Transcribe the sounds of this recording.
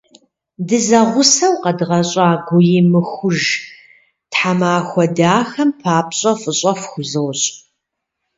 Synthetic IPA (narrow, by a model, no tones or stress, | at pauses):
dɨzɐʁʷʊsɐwqɐdɨʁɐɕʼaːɡʷʊjɪmɨxʷʊʒ | tħamaːxʷɔdaːxɐmpʰaːpʰɕʼɐfʼɨɕʼɐfxʷʊzɨwɕʼ